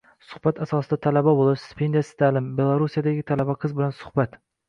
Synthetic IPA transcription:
sʊ̥hbat̪asɒsɨd̪at̪ʰalababolˠɪʃspʰend̪ijasɪ̥t̪ʰalɪmbe̞lˠaɾusijad̪aɡʲɪt̪ʰalabaqʰɨzbɪlansʊ̥hbat̪

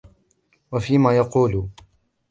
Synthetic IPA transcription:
wafiːmaːjɑquːl

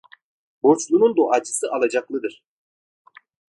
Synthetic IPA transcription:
bo̞ɾt͡ʃlˠunund̪o̞ʔad͡ʒɯsɯʔalˠad͡ʒaklˠɯd̪ɯɾ̥

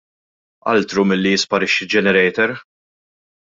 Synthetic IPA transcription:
ɐ̰lt̪ɾumɪlːijɪspɐɾɪʃːɪld͡ʒɛnɛɾɛjt̪ɛɾ

